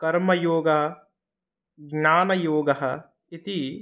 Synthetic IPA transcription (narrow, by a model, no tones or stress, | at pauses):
kɐɾmɐjoːɡɐɦɐ | ɡɲaːnɐjoːɡɐɦɐ̆ | it̪i